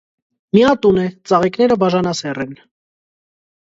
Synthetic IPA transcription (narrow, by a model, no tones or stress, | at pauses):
miɑt̪unɛt͡sɑʁiknɛɾəbɑʒɑnɑsɛrɛn